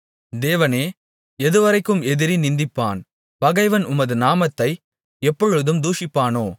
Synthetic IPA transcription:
d̪eːʋɐneː | ɛðɯʋɐɾɐɪkːɯmɛðɪɾinɪnd̪ɪpːa̰ːn | pɐɣɐɪʋɐnʊmɐðɯnaːmɐt̪ːɐɪ | ɛpːɔɻɯðɯmd̪uːʂɪpːaːnoː

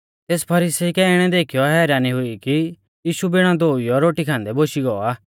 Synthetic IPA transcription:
t̪eːspʰɐɾiːsiikɛɪɽ̃ɛd̪eːkʰijɔɦɛːɾaːniɦʊiki | jiːʃubɪɽ̃ãd̪oːiɔɾoːʈikʰãːnd̪ɛboːʃiɡɔːaː

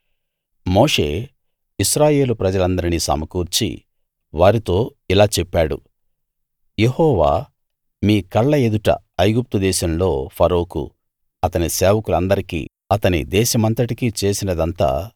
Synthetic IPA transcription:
moːʂe̞̰ː | iʃɾaːje̞ːlupɾɐd͡ʒɐlɐnd̪ɐɾinisɐ̰mɐkuːɾt͡ʃḭ | ʋaːɾit̪o̞ːilaːt͡ʃɛpːaːɽṵ | je̞hɔːʋa̰ː | miːkɐɭːɐe̞d̪uʈɐ̰ | ɐjɡup̚t̪ud̪ɛːʃɐmlo̞ːpʰɐɾoːkṵ | ɐt̪ɐniseːʋɐkulɐnd̪ɐɾikḭː | ɐt̪ɐnḭd̪ɛːʃɐmɐnt̪ɐʈikiːt͡ʃe̞ːsinɐd̪ɐnt̪a̰ː

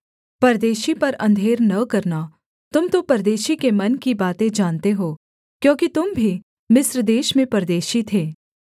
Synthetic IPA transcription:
pɐɾd̪eːʃipɐɾɐ̰̃nd̪ʱeːɾnɐkɐɾna | t̪ʊmt̪opɐɾd̪eːʃikemɐnkibaːt̪ẽd͡ʒaːnt̪eɦoː | kjõːkit̪ʊmbʱi | mɪsɾd̪eːʃmẽpɐɾd̪eːʃit̪ʰeː

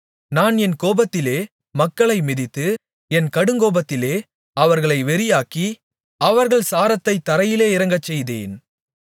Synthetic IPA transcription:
naːnɛnkoːbɐt̪ːɪleː | mɐkːɐɭɐɪmɪðɪt̪ːɯ | ɛnkɐɽɯŋɡoːbɐt̪ːɪleː | ɐʋɐɾɣɐɭɐɪʋɛɾɪjaːki | ɐʋɐɾɣɐɭsaːɾɐt̪ːɐɪt̪ːɐɾɐjɪleːɪɾɐŋɡɐt͡ʃːɛjðḛːn

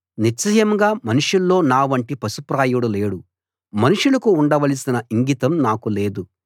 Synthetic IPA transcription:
nit͡ʃːɐjɐmɡaːmɐnuʂulːo̞ːnaːʋɐɳʈipɐsupɾaːjuɽule̞ːɽu | mɐnuʂulɐkuːɳɖɐʋɐlisinɐʔiŋɡit̪ɐmnaːkule̞ːd̪u

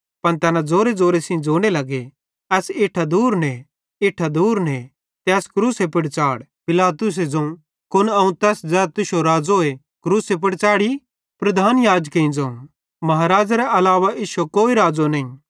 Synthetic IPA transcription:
pɐnt̪ɛːnãd͡zoːɾed͡zoːɾesɪ̃d͡zoːɽ̃elɐɡe | ɛːsɪʈʰad̪uːɾnɛ | ɪʈʰad̪uːɾnɛ | t̪ɛːskɾuːsepɪɽt͡ʃaːɽpɪlaːt̪ʊs̬ed͡zɐ̃ũ | kʊnɐũt̪ɛːsd͡zɛːt̪ɪʃoɾaːd͡zoe | kɾuːsep̬ɪɽt͡ʃaːɽi | pɾɐd̪ʱaːnjaːd͡ʒkeĩd͡zɐ̃ũ | mɐɦaːɾaːd͡ʒaɾɛʔɐlaːʋaʔiːʃokoːiɾaːd͡zonɐĩ

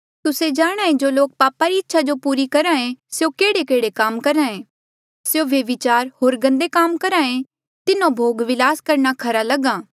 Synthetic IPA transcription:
t̪ʊsed͡ʒaːɽ̃ãːẽd͡ʒoːloːk̚paːpaɾiɪtːʃʰad͡ʒopuːɾikɐɾãːẽsjokeːɽekeːɽekaːmkɐɾãːẽː | sjoʋeʋɪt͡ʃaːɾɦoːɾɡɐ̃nd̪ekaːmkɐɾãːẽ | t̪ɪnõbʱoːɡʋɪlaːskɐɾɳ̃akʰɐɾalɐɡãː

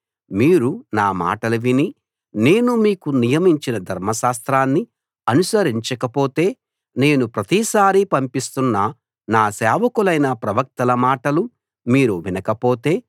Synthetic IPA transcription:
miːɾunaːma̰ːʈɐlɐʋini | ne̞ːnumiːkunijɐmiɲt͡ʃinɐd̪ʱɐɾmɐʃaːst̪ɾaːnːi | ɐnusɐɾiɲt͡ʃɐkɐpo̞ːt̪e̞ː | ne̞ːnupɾɐt̪isaːɾipɐmpist̪unːɐ | naːsɛːʋɐkulɐjnɐpɾɐʋɐk̚t̪ɐlɐmaːʈɐlu | miːɾuʋinɐkɐpo̞ːt̪e̞ː

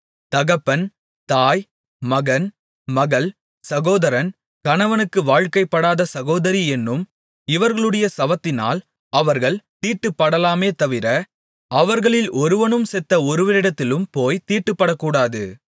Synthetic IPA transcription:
t̪ɐɣɐpːɐn | t̪aːj | mɐɣɐn | mɐɣɐɭ | sɐɣoːðɐɾɐn | kɐnɐʋɐnɯkːɯʋaːɻkɐɪpːɐɽaːðɐsɐɣoːðɐɾiɛnːɯm | ɪʋɐɾɣɐɭɯɽɐjɐsɐʋɐt̪ːɪna̰ːl | ɐʋɐɾɣɐɭt̪iːʈːɯpːɐɽɐlaːmeːt̪ɐʋɪɾɐ | ɐʋɐɾɣɐɭɪlʔɔɾɯʋɐnɯmsɛt̪ːɐɔɾɯʋɐɾɪɽɐt̪ːɪlɯmpoːjt̪iːʈːɯpːɐɽɐkːuːɽaːðɯ

